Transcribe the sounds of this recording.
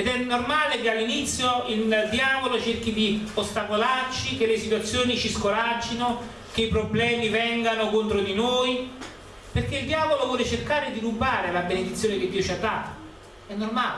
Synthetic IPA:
ed̪ɛnːormaːlekealːinit̪sːjoild̪jaːvolot͡ʃerkid̪iost̪akolart͡ʃik̟elːesit̪wat̪sːjoːnit͡ʃiskoɾad͡ʒːino | k̟eipɾoblɛːmivɛŋɡanokont̪ɾod̪inoːj | perk̟eild̪jaːvolovwɔːlet͡ʃerkaːɾed̪iɾubːaːɾelabened̪it̪sːjoːneked̪ːiːot͡ʃiad̪ːaːt̪o | ɛnːormaːle

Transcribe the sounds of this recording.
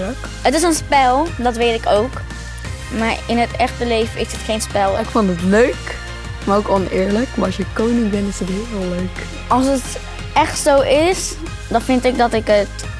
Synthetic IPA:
ək | ətɪsənspɛlˠdɑtʋejtɪkowk | maːɹɪnɦətɛχtəlejvəɪsətχejnspɛlˠɪkfɔntətløɥk | maːokɔnɪːɹləkmaɹɑlˠsjəkownɪŋbɛntɪsətɦɪløɥk | ɑlˠs̬ət | ɛχtsowʔɪs | dɑnfɪntɪɡ̚dɑtɪkət

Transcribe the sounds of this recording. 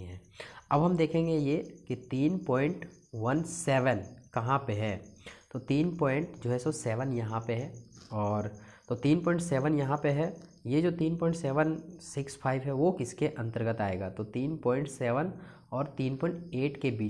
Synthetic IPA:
ɦɛ̃ːɐbɦɐmd̪eːkʰẽːŋɡejekit̪iːnpɔːɪ̃ɳʈ | ʋɐnsɛːʋənkɐɦãpeɦɛːt̪oːt̪iːnpɔːɪ̃ɳʈd͡ʒoːɦɛsosɛːʋənjɐɦãpeɦɛɔːɾ | t̪ot̪iːnpɔ̃ːɪ̃ɳʈsɛːʋənjɐɦãpeɦɛjed͡ʒoːt̪iːnpɔːɪ̃ɳʈsɛːʋənsɪkspʰaːɪʋɦɛʋokɪskeʔɐ̃nt̪əɾɡət̪aːeːɡaːt̪ot̪iːnpɔːɪ̃ɳʈsɛːʋən | ɔːɾt̪iːnpɔːɪ̃ɳʈeːʈkebiː

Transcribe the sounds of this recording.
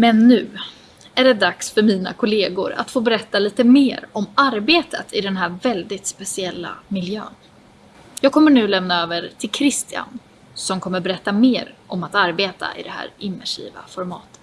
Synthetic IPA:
mɛnːʉ̟ː | æɖɛd̪aksfœɾmiːna̰kʰʊleːɡʊɾa̰t̪foːbɛɾɛt̪ːaliːt̪əmeːɾɔmaɾbeːt̪ət̪ʰɪd̪ɛnɦæːɾvɛld̪ɪt̪spɛsɪɛlːa̰mɪljø̰ːn | jɑːɡ̚kʰɔmːəɳʉ̟ːlɛmnaøːvəɾʈʰɪlkʰɾɪst̪ɪa̰n | sɔmkʰɔmːəɾbɛɾɛt̪ːameːɾʔɔmat̪aɾbeːt̪ʰa̰ʔɪ̰d̪ɛhæ̰ːɾɪmːæʂḭːva̰fɔɾmɑːt̪ə̥t̪

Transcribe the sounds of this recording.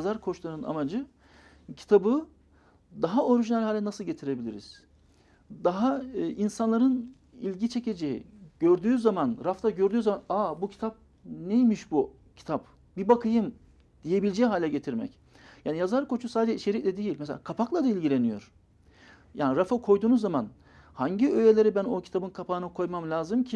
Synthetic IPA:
azaɾkʰo̞t͡ʃlˠaɾɯna̰mad͡ʒɯ | cʰi̥t̪ʰabɯ | d̪aɦao̞ɾiʒinɛælʲhaːlʲɛnasɯlˠɟe̞t̪ʰiɾe̞bilʲiɾḭz̥ | d̪aɦaʔinsanlˠaɾɯn | ilʲɟit͡ʃʰe̞ce̞d͡ʒejḭɟ̥øɾd̪yːzamanɾaft̪ʰaɟø̞ɾd̪yːzamanaːbucʰi̥t̪ʰap̚ | nejmiʃbu | cʰi̥t̪ʰap̚ | bibakʰɯjɯm | d̪̥ije̞bilʲd͡ʒejiɦaːlʲɛɟe̞t̪ʰiɾmɛ̰c | jaːnijazaɾkʰo̞t͡ʃʰusaːd̪ed͡ʒɛit͡ʃʰe̞ɾicʲlʲɛd̪ejilʲmɛs̬elʲakʰapʰaklˠad̪ailʲɟilʲe̞nijo̞̰ɾ̥ | jaːniɾafakʰo̞jd̪uːnuzːaman | haɲɟiøje̞lʲe̞ɾibæno̞cʰi̥t̪ʰabɯnkʰapʰaːɯnakʰo̞jmamlʲaːzɯmcʰi

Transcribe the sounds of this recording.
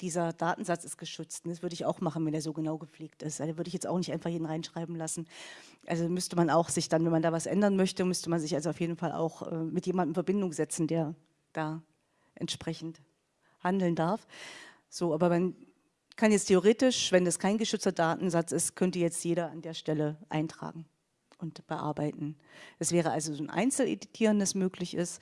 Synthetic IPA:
d̥iːzɐdaːtn̩zat͡sɪstɡ̥əʃʏt͡stnd̥asv̥ʏɐɾəɪça̰ʊxmaχn̩vɛndeːɐzoːɡənaʊɡəp͡fleːk̚tɪstadaːvʏɐɾəɪçjɛt͡stʔa̰ʊxnɪçtʔaɪnfaχjeːdn̩ʁaɪnʃʁ̥aɪbm̩lasn̩ | ʔa̰lzomʏstəmanaʊxz̥ɪçd̥anvɛnmandaːvasʔɛ̰ndɐnmœçtəmʏstəmanzɪç̬ʔalzoaʊfjeːdn̩falʔa̰ʊxʔɛ̰ːmɪtjeːmandmfɛɐbɪndʊŋzɛt͡sn̩deːɐ | d̥aː | ʔɛ̰ntʃpʁ̥ɛçn̩t | handl̩ndaɐf | z̥oːaːbɐman | kʰanjɛt͡stʰeoʁ̞eːtɪʃv̥ɛndaskʰaɪnɡəʃʏt͡stɐdaːtn̩zat͡sɪstkʰœntəjɛt͡stjeːɾɐandeːɐʃtɛləʔa̰ɪntʁ̥a̰ːɡŋ̩ | ʔʊntb̥əʔa̰ɐbaɪtn̩ | d̥asv̥ɛːʁ̞əalzozoːnʔa̰ɪnt͡sl̩ʔḛditʰiːʁəndəsmøːklɪçɪst

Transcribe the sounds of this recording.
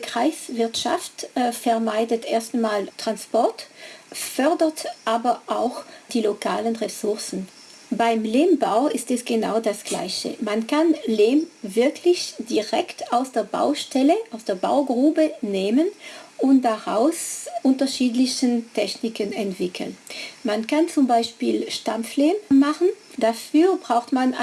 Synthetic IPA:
kʁ̥aɪsv̥ɪɐtʃa̰ftfɛɐmaɪdətʔeːɐstmaːltʁ̥anspɔɐtfœɐdətʔaːbɐʔaʊxd̥iːlokʰaːlənʁesʊɐsn̩ | baɪmleːmbaʊɪstɛsɡ̥əna̰ʊdasɡ̥la̰ɪçə̰mankʰanleːmvɪɐkʰlɪçd̥iʁɛktaʊsd̥eːɐba̰ʊʃtʰɛləʔaʊsd̥eːɐba̰ʊɡʁuːbəneːmənʊntd̥aʁa̰ʊsʔʊntɐʃiːtlɪçəntʰɛçnɪkənɛntv̥ɪkʰl̩nmankʰant͡sʊmbaɪʃpiːlʃtamfleːmmːaχn̩ | d̥afyːɐbʁaʊxtman

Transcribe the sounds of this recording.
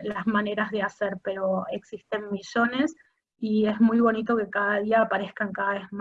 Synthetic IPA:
lazmane̞ɾazðeaseɾpe̞ɾo̞eksist̪e̞nmiʒo̞ne̞s | iezmujβo̞nit̪o̞ke̞kaðaðiaːpaɾe̞skaŋkaðaβezm

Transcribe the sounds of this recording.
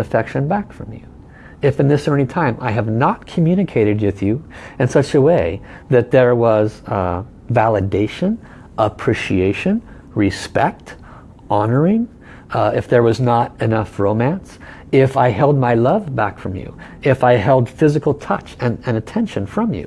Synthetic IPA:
ɨfɛkʃɨ̃nbækfɹʌ̰̃mjʉ̰ | ɨfɨ̃nðɪsɜ˞nitʰãɪ̃mʔa̰ɪɨvnət̚kʰmjʉñɨkʰeɪɾɨd̚wɨðjʉɨ̃nsʌt͡ʃɨweɪ | ðɨt̪̚ðə˞wʌz | vælˠədeɪʃɨ̃n | ʔəpʰɹ̥iʃieɪʃɨ̃n | ɹɨspɛk̚t | ʔɑnə˞ɪ̃ŋ | ɪfðə˞wʌznəɾɨnʌfɹõʊ̃mæ̃ns | ɪfaɪɦɛlˠd̚maɪlʌvbækfɹʌ̃mjʉ̰ɪfaɪɦɛlˠd̥fɪzɨkl̩ˠtʰʌt͡ʃɨ̃nɨ̃nɨtʰɛ̃nʃɨ̃nfɹʌ̃mjʉ̰

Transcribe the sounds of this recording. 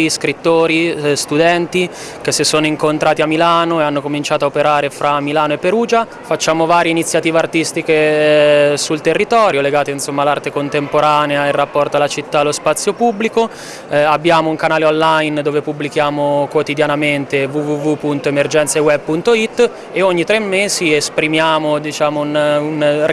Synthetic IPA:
skɾit̪ːoːɾist̪ud̪ɛnt̪i | k̟esːesːoːnoiŋkont̪ɾʔaːt̪iamːilaːnoeanːokomint͡ʃaːt̪oaopeɾaːɾefɾʔamːilaːnoepːeɾuːd͡ʒa | fat͡ʃːaːmovaːɾjeinit̪sjat̪iːveart̪ist̪ike | sult̪erːit̪ɔːɾjoleɡaːt̪einsomːalːart̪ekont̪empoɾaːneairːapːɔrt̪oalat͡ʃit̪ːalospat̪sːjopubːliko | abːjaːmouŋkanaːleonlajnd̪oːvepubːlikjaːmokwot̪id̪janament̪evuvuvupːunt̪oemerd͡ʒɛnt̪sewɛb̚punt̪oit̪ː | eoɲːit̪ɾemːeːziespɾimjaːmod̪it͡ʃaːmounun

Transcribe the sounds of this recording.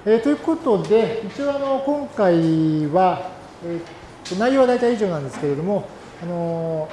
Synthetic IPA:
et̪o̞jɯ̟ko̞t̪o̞d̪e̞it͡ɕio̞ːano̞kõ̞ŋkaiβa | e | onaijo̞ːβad̪ait̪aiiʑo̞ːnãnd̪esɨ̥ke̞ɾe̞d̪o̞mo̞ | ano̞

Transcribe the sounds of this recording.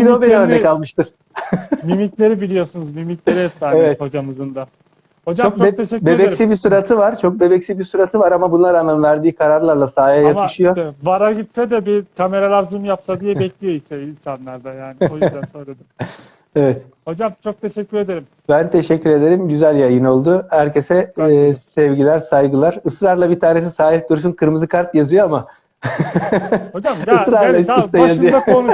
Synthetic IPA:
bid̪obeniønɛkalˠmɯʃt̪ɯɾ̥ | mimicʲlʲe̞ɾibilʲijo̞sunuzmymicʲlʲeɾiɦɛpsaːnevɛt̪ho̞d͡ʒamɯzɯnd̪a | ho̞d͡ʒaomkt͡ʃ̪ʰeʃɛbebɛsibisuɾat̪ʰɯvaɾt͡ʃʰo̞k̚be̞bɛcsibisuɾat̪ʰɯvaɾamabunlˠaɾaːmænvæɾd̪iːkʰaɾaɾlˠaɾlˠasaːjajamɯ̥ʃɯjovaɾaɟit̪sɛd̪ɛbikʰame̞ɾalˠaɾzumjapsad̪ijɛbɛclʲijo̞isɛilʲsanlˠaɾd̪ajaːniojzd̪ænso̞nɾad̪a | evɛt̪ | ho̞d͡ʒamt͡ʃʰo̞k̚t̪ʰe̞ʃɛcʲːyɾe̞d̪eɾim | b̥ænt̪ʰe̞ʃɛcːyɾe̞d̪e̞ɾimɟyzælʲjajɯno̞lˠd̪ʊhæɾcʰe̞sɛsɛvɟilʲæɾsajɡɯlˠaɾɯsɾaɾlˠabit̪ʰaːne̞s̬isaːlɛt̪̚d̪uɾs̬ynkʰɯɾmɯzɯkʰaɾtjazɯjo̞ama | od͡ʒamɯsɾaɾlˠaisist̪ɛjjaʃzɯjod̪ao

